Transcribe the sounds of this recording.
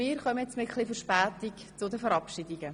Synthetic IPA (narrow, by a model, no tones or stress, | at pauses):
ɪːɾχœməɛt͡smɪχlifəɾʃpæːtik | t͡sʊdəfəɾɑpʃidiɡ̥ə